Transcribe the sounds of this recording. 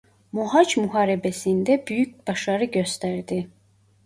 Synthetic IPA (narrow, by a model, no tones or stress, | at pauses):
muɦɑt͡ʃmuɦɑːɾɛbɛsind̪æbyjyc̚bɑʃɑɾɯɟøst̪æɾd̪i